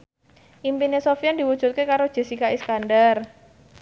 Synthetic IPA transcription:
ʔimpinesofiand̪iwud̥ʒ̥ṳt̪̚kekaɾod̥ʒ̥e̤sikaiskandər

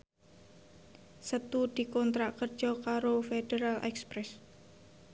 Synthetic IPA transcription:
sət̪ud̪̥i̤kɔnt̪ɾakərd̥ʒ̥ɔkaɾofeɖ̥eɾalʔɛ̰kspɾɛs

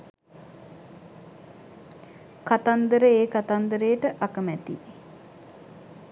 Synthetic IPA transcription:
kat̪and̪əɾəeːkat̪and̪əɾəjəʈəʔakəmæt̪ḭ

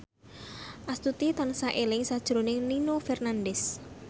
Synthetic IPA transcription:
ʔast̪ut̪it̪ansaʔelɪŋsad̥ʒ̥ɾonɪŋninofɛrnandɛs

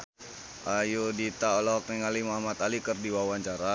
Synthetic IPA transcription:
ʔajudit̪aolɔk̚niŋalimaɦmat̪alikərdiwawaɲt͡ʃaɾa

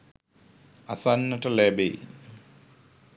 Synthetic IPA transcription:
ɐsanːɐʈɐlebe

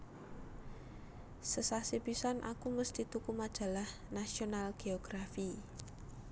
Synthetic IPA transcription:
səsasibisanʔa̰kuməst̪it̪ukumad̥ʒ̥a̤lah | nasionalɡ̥eoɡ̥ɾafi

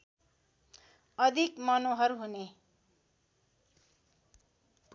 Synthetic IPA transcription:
ʌd̪ʱikmʌnoɦʌɾɦune | p

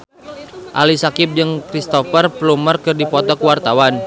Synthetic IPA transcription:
ʔa̰lisakɪp̚d͡ʒɨŋkɾist̪ɔfərplumərkɨrdipɔt̪ɔkuwart̪awan

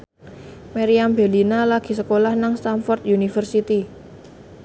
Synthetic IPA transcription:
maɾiambe̤linalaɡ̥i̤səkolahnaŋst̪anfɔrt̪̚junifərsit̪i

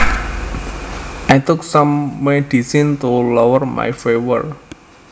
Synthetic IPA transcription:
ʔajt̪ʊksamːeɖ̥isint̪ulɔwərma̰jfewə̰r

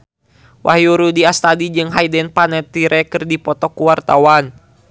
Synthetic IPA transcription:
wʔahjuɾudiast̪adid͡ʒɨŋɦajdɛnpanɛt̪iɾʔɛkɨrdipɔt̪ɔkuwart̪awan

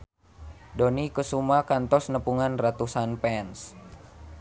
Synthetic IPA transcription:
dɔnikusumakant̪ɔsnəpuŋanrat̪usanpɛns

